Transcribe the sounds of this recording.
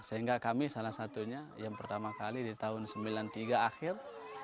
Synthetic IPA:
saiŋɡakamisalahsat̪uɲajaŋpərt̪amakalidit̪aɦʊnsəmbilant̪iɡaːxɪr

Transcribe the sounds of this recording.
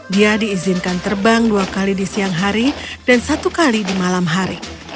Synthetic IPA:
diadiːzinkant̪ərbaŋduakalidisiaŋɦaɾid̥ansat̪ukalidimalamɦaɾi

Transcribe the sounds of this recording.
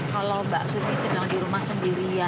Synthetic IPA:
kalobaʔsut̪̚nisəbilaŋdiɾumahsəndiɾia

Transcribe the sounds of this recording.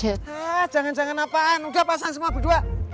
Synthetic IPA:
ɛḁd͡ʒaŋand͡ʒaŋanapaʔanudahpas̬aŋs̬əmuabədua

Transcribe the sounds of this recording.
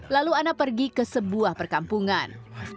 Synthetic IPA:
laluanapərɡikəsəbuahpərkampuŋan

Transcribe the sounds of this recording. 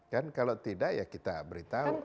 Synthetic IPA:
kankalawt̪idaʔjakit̪abəɾit̪au

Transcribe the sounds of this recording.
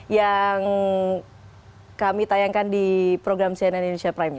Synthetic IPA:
jaŋ | kamit̪ajaŋkandipɾoɡɾamsiananinesiapɾajma

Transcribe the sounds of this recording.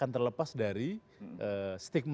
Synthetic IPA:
ant̪ərləpasdaɾi | ʔəst̪ɪk̚m

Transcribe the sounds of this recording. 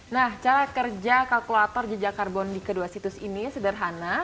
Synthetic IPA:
naht͡ʃaɾakərd͡ʒakalkulat̪ɔrd͡ʒəd͡ʒakarbɔndikəduasit̪ʊsinisədərɦana

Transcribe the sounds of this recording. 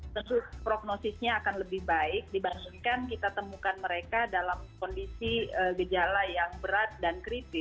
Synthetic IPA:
t̪ənt̪ʊpɾoɡ̚nosɪsɲaːkanləbɪhbaɪk̚dibaŋɡiŋkankit̪at̪əmukanməɾekadalamkondisiəɡəd͡ʒalajaŋbəɾat̪̚dankɾit̪ɪ

